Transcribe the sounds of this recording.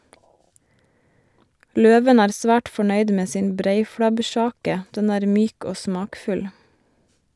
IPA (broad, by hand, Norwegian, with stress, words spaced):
ˈløːʋən ˈæːɾ ˈsʋæːʈ fɔˈɳœʏd ˈmeː ˈsɪn ˈbɾeɪfɽɑbˌʃɑːkə ˈdɛn ˈæːɾ ˈmyːk ˈoː ˈsmɑːkfʉl